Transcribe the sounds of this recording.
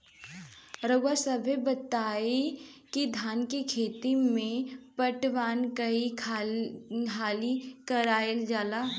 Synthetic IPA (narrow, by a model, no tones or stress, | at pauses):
ɾəɡasəbʱjebət̪aːe | kid̪ʱaːnkikʰeːt̪imẽpəʈʋaːnkəikʰa | kʰaːlikəɾaːeld͡ʒaːla